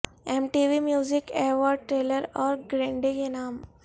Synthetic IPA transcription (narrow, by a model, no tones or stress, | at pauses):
emʈiʋimjuːzikeʋɔːɖ̚ʈɾeːləɾɔːɾɡɾẽɳɖiɡenaːm